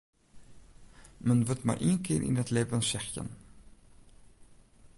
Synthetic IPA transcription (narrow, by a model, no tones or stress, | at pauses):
mənvətma̰ɾʔiənkɪːɾʔḭndətleːvənsɛxjə̰n